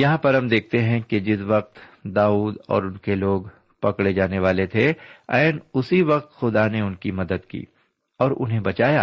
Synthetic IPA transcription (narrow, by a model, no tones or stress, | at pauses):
jɐɦãpɐɾɦɐmd̪eːk̚ʰt̪eɦɛ̃ked͡ʒɪs̬ʋɐq̚t̪d̪aːuːd̪ɔ̰ːɾʊnkeloːɡ | pɐkɽed͡ʒaːneʋaːlet̪ʰeɛ̰ːnʊsiʋɐq̚t̪xʊd̪aneʊnkimɐd̪əd̪kḭː | ɔːɾʔʊ̰nɦẽbɐt͡ʃaːjaː